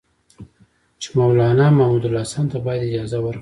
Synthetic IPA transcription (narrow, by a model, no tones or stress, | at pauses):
t͡ʃɪ̥mawlɑnɑmahmud̪ʊlɑsɑnt̪abɑjad̪ɪd͡ʒɑzawəɾk